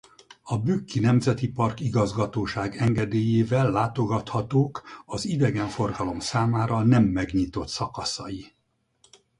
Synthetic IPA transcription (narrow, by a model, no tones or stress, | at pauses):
ɒbyːkːinɛmzɛt̪ipɒrkiɡɒzɡɒt̪oːʃaːɡɛŋɡɛd̪eːjeːvɛlːaːt̪o̞ɡɒt̪hɒt̪oːkɒzid̪ɛɡɛɱfo̞rɡɒlo̞msaːmaːɾɒnɛmːɛɡɲit̪o̞t̪sɒkɒsɒji